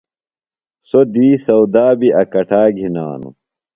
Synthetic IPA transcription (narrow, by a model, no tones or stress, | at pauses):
sod̪iːsɐwd̪aːbiɐkɐʈʰaːɡʱina̰ːnṵ